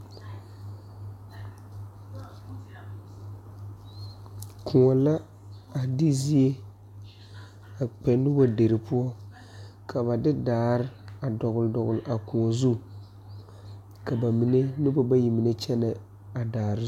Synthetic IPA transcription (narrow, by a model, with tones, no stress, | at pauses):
kʰʊ˨ŋɔ˨la˦ | a˨dɪ˦zi˦e˦ | a˨k͡pɛ˨n˦ʊ˦ba˨de˨ɾɪ˨pʊ˦ɔ˦ | kʰa˨βa˨dɪ˦daː˨˦ɾɪ˦a˨dɔ˨ɣʊ˨ldɔ˨ɣʊ˨lʔa˨ku˨ŋɔ˨zu˦ | ka˨ba˨mi˨ne˦nɪ˦bɔ˦ba˦ji˨mi˨ne˦t͡ʃɛ˦na˨ | a˨daː˨ɾ